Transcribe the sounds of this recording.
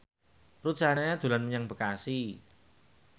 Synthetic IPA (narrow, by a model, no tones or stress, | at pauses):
ru̥d͡ʒ̥anaɲad̪̥ṳlanməɲaŋb̥ə̤kasi